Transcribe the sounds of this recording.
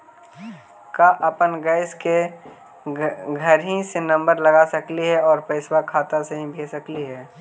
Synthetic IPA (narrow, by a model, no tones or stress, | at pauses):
kaʔəpənɡɛɪske | ɡʱəɾɦĩsenə̃mbəɾləɡasəkliɦɛɔːɾpəɪswakʰaːt̪aseɦĩbʱesəkliɦɛː